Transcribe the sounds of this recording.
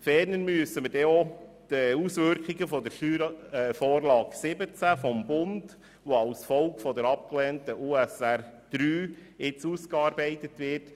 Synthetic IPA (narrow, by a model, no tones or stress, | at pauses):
fɛːɾnənmyəsəməɾdɛɔ | d̥əusʋʏɾkχiɡəfɔdəɾʃyɾfɔːɾlɑːɡsɪbət͡sæfɔmbʊnd | ʋoɑʊsfɔlkfɔdəɾɑp̚klɛːntəʔuːɛsærd̪̥ɾyːɪt͡suskɑːɾbɛɪtətʋɪrt